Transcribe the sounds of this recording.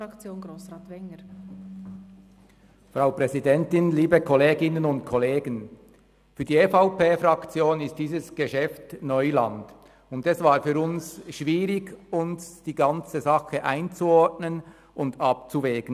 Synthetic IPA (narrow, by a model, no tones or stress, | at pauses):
ɾɑkt͡sjoːnɡɾoːsɾɑːt̪ʋɛŋəɾ | frʁaʊpʁɛzidɛntɪnliːbəkʰɔleːɡɪnənʊntkʰɔleːɡən | fyːɐdiːefaʊpeːfrɑkt͡sjoːnɪst̚d̥iːzəsɡ̥əʃɛftnɔʏlɑ̰nd̥ | ʊndɛsvaːɾfyːɾʊnsʃv̥iːɾɪɡʊnsd̥iːɡɑnt͡səzɑxəʔaɪnt͡suɔɹtnən | ʔʊndɑp̚t͡suvɛːɡ̥ən̩